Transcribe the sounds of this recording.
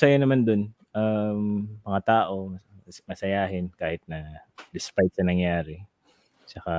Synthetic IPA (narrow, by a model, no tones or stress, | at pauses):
sɐjanɐmand̪on | ʔɐmːɐŋat̪aːʔo̞mmɐsɐjaːɦɪnkaːhɪt̪̚nɐd̪ɪspajt̪̚sɐnɐŋjaːɾɛ | t͡ʃɐka